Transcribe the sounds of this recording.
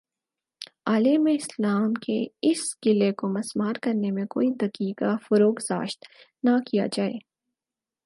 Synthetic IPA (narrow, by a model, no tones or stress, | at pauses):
aːlemẽɪslaːmkeɪsɡ̥ɪlekomɐsmaːɾkɐɾnemẽko̰ːid̪ɐkiːkafɐɾoːkza̰ːʃt̪ | nakija̰d͡ʒaːḛː